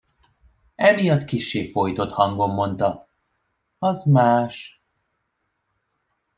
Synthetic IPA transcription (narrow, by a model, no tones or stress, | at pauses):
ɛmijɒt̪kiʃːeːfo̞jt̪o̞t̪hɒŋɡo̞mːo̞nt̪ɒ | ɒzmaːʃ